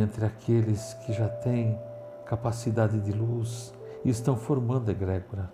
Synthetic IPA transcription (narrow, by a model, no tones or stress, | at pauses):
ẽnt̪ɾɪakʰelɪskʰɪʒat̪ẽj̃ | kapasid̪ad̪ɪd̪ɪlus | ɪst̪ɐ̃w̃foɾmɐ̃nd̪ʊeɡɾɛɡoɾɐ